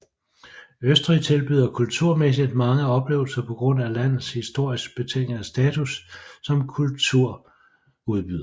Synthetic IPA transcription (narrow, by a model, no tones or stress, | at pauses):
øsd̥ʁit͡sʰe̝lb̥yð̞̰ˠɐkʰult͡sʰuɐ̰mesid̥mɑ̈ŋəɒ̽b̥le̝̰ːʊl̩sɐpʰɒ̽ɡ̥ʁɔ̽n̰ælæn̰ð̩ˠshisd̥o̝ɐ̰isɡ̥̚b̥e̝t͡sʰḛɡ̥sd̥ɛːt͡sʰusːɒ̽mkʰult͡sʰuɐ̰ | uð̞ˠb̥y̰ð̰ˠɐ